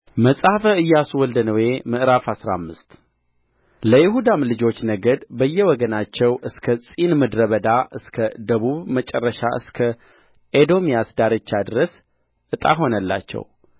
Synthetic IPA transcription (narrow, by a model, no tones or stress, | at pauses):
məsʼafəɨjːaswɔld̪ənəwe̞mɨʔɾafhasɾamːɨst̪ | ləjɪɦud̪amlɨd͡ʒo̞t͡ʃːnəɡəd̪bəjːɛwɔɡənat͡ʃːɛwʔɨskʰəsʼinmɨd̪ɾəβəd̪aʔɨskʰəd̪əβuβmət͡ʃʼɛrːəʃa̰ʔɨ̰skʰə | ʔed̪o̞mijasd̪aɾɨt͡ʃːad̪ɨɾəs | ʔɨt̪ʼa̰ɦo̞nəlːa̰t͡ʃːɛ̰w